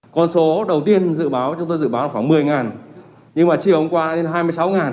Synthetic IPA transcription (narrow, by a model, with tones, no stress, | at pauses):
kɔ˧nso˨˦ɗə˨˩wt̪i˧ənzɨ̰˧˨ɓaː˨˦wt͡ɕŋ͡mt̪o˧jzɨ̰˧˨ɓaː˨˦waː˨˧˩xwaː˧˩mɨ˨˩əjŋaː˨˩n | ɲɨ˧ŋmaː˨˩t͡ɕi˨˩əwhə˧ŋ͡mkwaː˧a̰ː˧˥le˧nɦaː˧jmɨ˧əjsa˨˦wŋaː˨˩n